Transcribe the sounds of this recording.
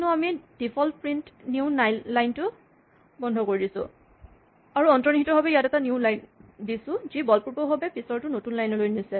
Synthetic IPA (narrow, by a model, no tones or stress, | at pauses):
nʊamid̥ipʰɔlpɹintnunajlajntʊ | bɔndʱɔkoɹidisʊ̰̃ | aɹuɔntɹɔnikʰitɔɦɔbɛjatɛtanjuwlajndisʊ̃zibɔlpuɹbɔɦobɛpisɔɹtʊnotunlajnɔlojnisɛ